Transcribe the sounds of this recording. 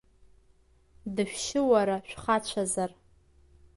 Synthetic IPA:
dɨʃᶣʃɪwaɾaʃᶣχat͡ɕʷʰazar

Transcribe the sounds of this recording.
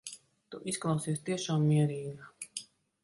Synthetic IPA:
t̪uʔisklˠɑwsiːsʲt̪iɛʃaːmːiɛɾiːɡa

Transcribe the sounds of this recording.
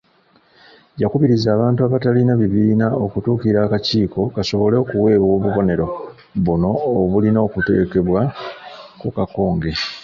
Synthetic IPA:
jakuβiɾizaːβaːntuaβatalinaβiβiːnao̞kutuːkiɾaːkaciːko̞kaso̞βo̞le̞okuwe̞ːβwo̞ːβuβo̞ne̞ɾo̞ | βuno̞ːβulino̞ːkute̞̰ːke̞βwa | kukako̞ːŋɡe̞

